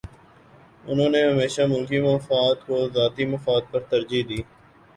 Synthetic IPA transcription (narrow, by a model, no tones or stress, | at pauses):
ʊnɦõːneɦəmeːʃamʊlkimɐːfaːd̪kozaːt̪imɐfaːd̪̚pɐɾt̪ɐɾd͡ʒiɦd̪iː